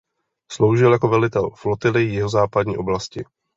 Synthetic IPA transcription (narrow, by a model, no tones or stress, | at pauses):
slo̞wʒɪljako̞vɛlɪt̪ɛlflot̪ɪlɪjɛɦozaːpad̪̚ɲḭːʔo̞blascɪ